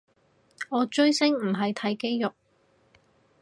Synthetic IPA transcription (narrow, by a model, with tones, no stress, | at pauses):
ɔː˨˧t͡ʃɵ˥ɥsɪ˥ŋm̩˨˩ɦɐ˨jt̪ʰɐ˨˥jke˥jjʊ˨k̚